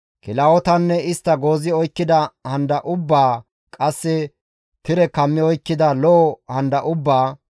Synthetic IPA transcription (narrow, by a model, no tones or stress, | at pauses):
kɪlɐɔt̪ɐnːɛɪst̪ːɐɡo̞ːzɪɔjkːɪd̪ɐhɐnd̪ɐʔʊbːaː | kʼɐsːɛ | t̪ɪɾɛkɐmːɪɔjkːɪd̪ɐlɔːhɐnd̪ɐʔʊbːaː